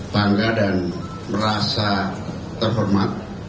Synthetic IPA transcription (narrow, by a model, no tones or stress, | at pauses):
paŋɡadan | məɾasa | t̪ərɦɔrmat̪̚